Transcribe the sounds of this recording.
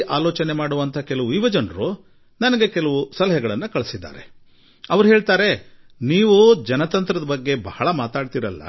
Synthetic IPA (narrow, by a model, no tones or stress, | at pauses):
ʔaːlɔːt͡ʃɐne̞maːɽuʋɐnt̪ʰɐkɛlɐʋuiʋɐd͡ʒɐnɾu | nɐnɐɡe̞kɛlɐʋusɐlɐɦɐɡɐɭɐnːukɐɭsid̪ːa̰ːɾe̞̰ | ɐʋɐɾuɦeːɭt̪aːɾe̞ | niːʋud͡ʒɐnɐt̪ɐnt̪ɾɐd̪ɐbɐɡːe̞bɐhɐɭɐmaːt̪aːɖt̪iɾɐlːɐ̰